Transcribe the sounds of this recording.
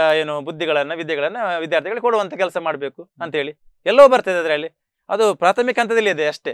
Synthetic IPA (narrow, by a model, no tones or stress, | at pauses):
eːnubud̪ʱːiɡɐɭɐnːɐʋid̪jɐɡɐɭɐnːɐʋid̪jaːɾt̪ʰiɡɐɭkoɽuʋɐnt̪ʰɐkɛlsɐmaːɽbe̞ːkuɐnt̪ɐɦe̞ːɭi | ɛlːɐːbɐɾt̪ɐjd̪eɐd̪ɾeːɭi | ɐ̰d̪upɾaːt̪ʰɐmikɦɐnt̪̬ɐd̪ɐlːiid̪eɐʂʈe